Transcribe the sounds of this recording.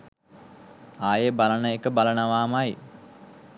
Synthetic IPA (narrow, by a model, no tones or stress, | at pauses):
aːjebalənəekəbalənəʋaːmaj